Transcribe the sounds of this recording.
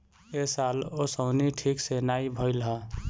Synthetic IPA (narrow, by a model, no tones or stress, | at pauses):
esalosəʊniʈʰiksenajbʱəɪlɦa